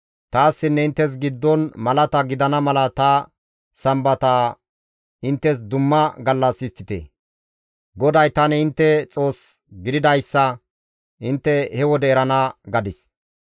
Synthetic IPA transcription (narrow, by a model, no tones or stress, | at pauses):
t̪aːsːɪnːɛɪnt̪ːɛs̬ɡɪd̪ːɔnmɐlɐt̪ɐɡɪd̪ɐnɐmɐlɐt̪ɐ | sɐmbɐt̪aː | ɪnt̪ːɛs̬d̪ʊmːɐɡɐlːɐsɪst̪ːɪt̪ḛ | ɡɔd̪ɐjt̪ɐnɛɪnt̪ːɛt͡sʼo̞ːs | ɡɪd̪ɪd̪ɐjsːɐ | ɪnt̪ːɛhɛwɔd̪ɛːɾɐnɐɡɐd̪ɪs